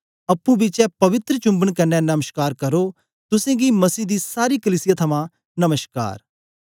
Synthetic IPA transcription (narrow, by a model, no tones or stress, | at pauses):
ɐpːũbit͡ʃɛpɐʋɪt̪ɾət͡ʃʊ̃mbəɳ̃kɐnɛnɐməʃkaːɾkɐɾo | t̪ʊsẽɡimɐsiːd̪iːsaːɾiːkəliːsɪjat̪ʰɐmã | nɐməʃka̰ːɾ